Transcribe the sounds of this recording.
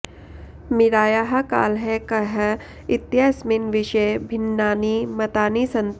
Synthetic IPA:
mɪɾaːjaːɦaka̰ːlɦɛkɐɦ | ɪt̪jasmɪnʋɪʃebʱɪnːaːnimɐt̪aːnisɐ̃nt̪

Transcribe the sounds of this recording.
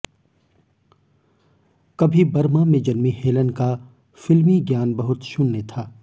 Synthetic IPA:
kɐbʱibɐɾmãmẽd͡ʒɐnmiheːlənka | fɪlmiɡjaːnbɐɦʊt̪ʃʊnːet̪ʰaː

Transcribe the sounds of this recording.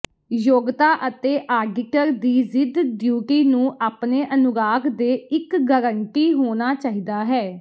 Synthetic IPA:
joːɡt̪aːʔət̪eːʔaːɡɪʈəɾd̪iːzɪd̪ɖjuːʈiːnũːʔaːpneːʔənʊɡaːkd̪eːɪkɡəɾəɳʈiːɦoːnaːt͡ʃaːɦiːd̪aːɦɛː

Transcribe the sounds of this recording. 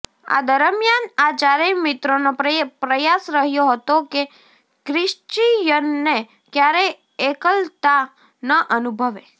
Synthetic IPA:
a̰d̪əɾəmjanat͡ʃaɾimɪt̪ɾonopɾəjasɾəɦjoɦət̪oke | kɾɪʃt͡ʃijənːe | kjaɾe | ekəlt̪a | nəʔənubʱəʋe

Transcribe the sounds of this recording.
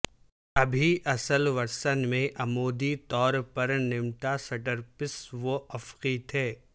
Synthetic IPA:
ɐbʱiʔɐsəlʋɐɾsənmẽʔɐmoːd̪it̪ɔːɾpɐɾnɪmʈasɐʈəɾpɪsʋoʔɐfqit̪ʰɛː

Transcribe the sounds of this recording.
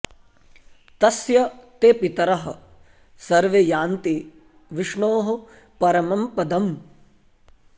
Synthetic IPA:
t̪ɐsjɐt̪eːpit̪ɐɾɐɦɐ̰̆ | sɐɾʋejaːnt̪i | ʋiʂɳoːɦɐ̆ | pɐɾɐmɐmpɐd̪ɐm

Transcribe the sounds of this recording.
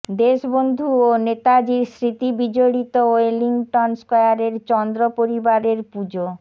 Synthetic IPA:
d̪eʃbond̪ʱuonet̪ad͡ʑiɾsɾit̪ibid͡ʑoɽit̪ooeliŋʈɔnskɔeaɾeɾt͡ɕɔnd̪ɾopoɾibaɾeɾpud͡ʑo

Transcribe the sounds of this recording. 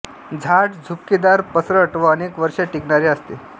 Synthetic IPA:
d͡zʱaʈd͡zʱupkːid̪aɾpəsɾəʈʋəənekʋəɾʂeʈikɳaɾeəst̪e

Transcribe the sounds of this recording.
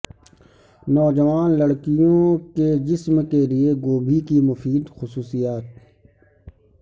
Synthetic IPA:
nɔːd͡ʒəʋaːnləɽkijõked͡ʒɪsmkelieɡoːbʱikimʊfiːd̪xʊsuːsijaːt̪̚

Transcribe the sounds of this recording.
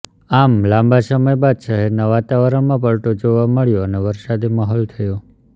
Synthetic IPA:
amlãmbasəməjbad̪ʃaɦɛɾnaʋat̪aʋəɾəɳmãpəɭʈ̪od͡ʒoʋaməɭjoəneʋəɾʃad̪iməɦɔlt̪ʰəjo

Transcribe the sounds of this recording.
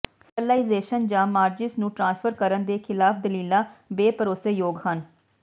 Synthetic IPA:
səlaːizeːʃənd͡ʒãːmaːɾd͡ʒɪsnũːʈɾãːnsfʰəɾkəɾənd̪eːkʰɪlaːfd̪əliːlãːbeːpəɾoːsejoːɡhən

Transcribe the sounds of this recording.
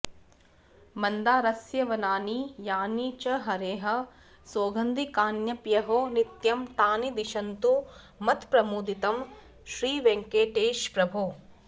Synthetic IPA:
mɐnd̪aːɾɐsjɐʋɐnaːnijaːniːt͡ʃɐɦɐɾeːɦɐ̆ | soːɡɐnd̪ikaːnjɐpjɐɦoːnit̪jɐmt̪aːnid̪iʃɐnt̪u | mɐt̪pɾɐmuːd̪it̪ɐm | ʃɾiːʋeŋkeːʈeːʃpɾɐbʱu

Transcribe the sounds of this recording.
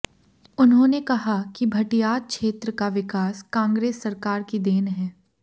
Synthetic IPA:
ʊnɦõːnekɐɦakibʱɐʈijaːt̪̚kʃeːt̪ɾəkaʋɪkaːskãːŋɡɾeːsːɐɾkaːɾkid̪eːnɦɛː

